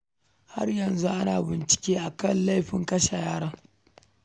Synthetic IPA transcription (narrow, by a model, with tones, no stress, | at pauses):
ha̰˦rjɐ˨nzu˦ʔa˦naː˨bɪ˨nt͡ʃɪ̥˨kʲeː˦ʔa˨kɐ˦˨nla˦jɸɪ˨˦ŋkɐ˦ʃa˨jaː˦ɽaː˦